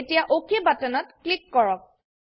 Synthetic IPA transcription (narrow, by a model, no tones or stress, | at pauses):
tijaʔokʰebatɔnɔt̚klikːɔɹɔk̚